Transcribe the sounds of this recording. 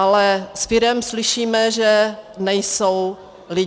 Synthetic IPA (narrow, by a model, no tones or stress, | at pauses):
alɛsfɪɾɛmslɪʃiːmɛʒɛnɛjsow | lɪ